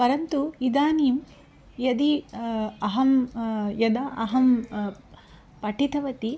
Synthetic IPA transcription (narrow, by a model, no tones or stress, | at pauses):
pɐɾɐnt̪uid̪aːniːm | jɐd̪i | ɐɦɐmjɐd̪ɐʔɐɦɐm | pɐʈʰit̪ʰɐʋɐt̪i